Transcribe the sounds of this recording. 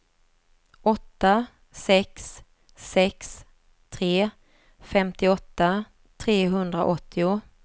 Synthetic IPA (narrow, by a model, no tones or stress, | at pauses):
ʔɔt̪ːa | sɛksː | ɛks | t̪ʰɾeː | fɛmt̪ɪɔt̪ːa | t̪ʰɾeːɦɵnd̪ɾa̰ʔɔt̪ʰːɪʊ